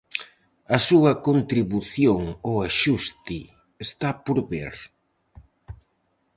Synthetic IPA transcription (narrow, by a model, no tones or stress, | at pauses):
ɐsuɐkont̪ɾiβuθjoŋoaʃust̪i | est̪apoɾβḛɾ